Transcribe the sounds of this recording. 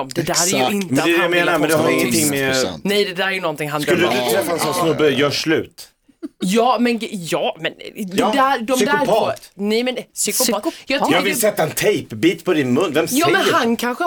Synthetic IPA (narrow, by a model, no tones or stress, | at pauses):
ɔmd̪ɛd̪æːɾæɾjʉɪnt̪mɛd̪ɛd̪ɛjameːnaɾmɛnd̪ɛhaɾɪŋːənt̪ʰɪŋːmɛnɛjd̪ɛd̪æːɾæɾjənɔnt̪ɪŋɦansk̪ləd̪d̪ʉt̪ʰɾɛfːaɛnsɔnsnɵbːəjœːʂɭʉ̟̰ːt̪ | jɑːmɛnjɑːmɛnːd̪æd̪ɔmd̪ʊɾpʰɑnɛjmɛnsʏkʊpɑːjɑːtjɑːɡvɪlsɛt̪ːaɛnt̪ʰɛjpbiːt̪pʰɔd̪ɪnmɵnːvɛmsjɑːmɛnhankʰanɧə